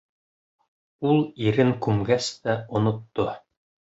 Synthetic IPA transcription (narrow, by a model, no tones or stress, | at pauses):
ulˠiɾɘŋkʉmɡæst̪æŏnŏt̪ːo